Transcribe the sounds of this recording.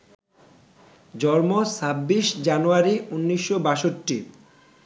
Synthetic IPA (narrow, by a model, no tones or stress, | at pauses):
d͡ʑɔɾmosabːiʃd͡ʑanuaɾiunːiʃːobaʃoʈːi